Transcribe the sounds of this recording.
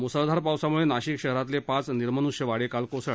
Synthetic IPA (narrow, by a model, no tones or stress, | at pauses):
musəld̪ʱaɾpawsamuɭenaɕiːkɕəɦɾat̪lepãt͡sniɾmənuɕjəʋaɽekalkosəɭ